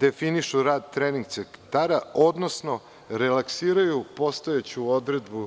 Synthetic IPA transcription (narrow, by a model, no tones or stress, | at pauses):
d̪e̞finiʃuɾaːd̪̚t̪ɾeniŋɡ̚t̪sekt̪aɾaod̪nosno̞ | ɾe̞laksiːɾajupo̞st̪o̞jet͡ɕuod̪ɾe̞d̪bu